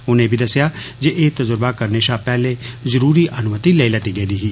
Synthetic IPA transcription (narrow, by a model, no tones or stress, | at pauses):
ʊnẽːbʱid̪əsjaːd͡ʒeʔeːt̪əzʊɾbakəɾneːʃaːpɛːlezəɾuːɾiʔənʊmət̪ileːilət̪iɡeːd̪iːɦiː